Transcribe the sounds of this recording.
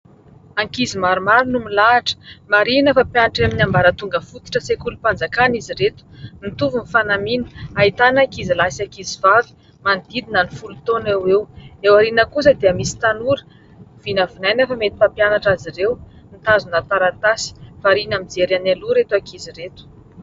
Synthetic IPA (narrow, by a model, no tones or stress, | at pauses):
aŋkizimaɾumaɾinumilaʈ͡ʂə̥maɾinəfapjanaʈ͡ʂaminambaɾət̪uŋɡəfut̪i̥ʈ͡ʂəsekulupand͡zakaniziɾet̪u̥mit̪uvunifanaminə̥ait̪anakizilasiakizivavi̥ | mand̪id̪inanifulut̪onewewewaɾinəkus̬əd̪eəmisi̥t̪anuɾə̥ | v̥inəvinajnafamet̪i̥papjanaʈ͡ʂaziɾew | nit̪azunat̪aɾat̪asi̥faɾinamid͡zeɾanaluɾet̪uakiziɾet̪u̥